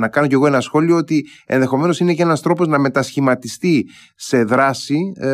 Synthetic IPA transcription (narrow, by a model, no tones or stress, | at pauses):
nɐkɐno̞ce̞ɣo̞e̞nɐsxo̞lio̞ot̪i | e̞̰nðe̞xome̞no̞sine̞cee̞nɐst̪ɾo̞po̞znɐme̞t̪ɐsçimɐt̪ist̪i | se̞ðɾɐsi